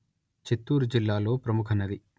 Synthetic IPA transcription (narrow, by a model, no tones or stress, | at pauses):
t͡ʃit̪ːuːɾud͡ʒilːaːlo̞ːpɾɐmukʰɐnɐd̪i